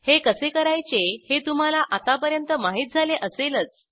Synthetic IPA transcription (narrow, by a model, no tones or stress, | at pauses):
hekəsekəɾajt͡ɕehet̪um̤alaʔat̪apəɾjənt̪əmaɦiːt̪̚d͡zʱaleʔəselət͡s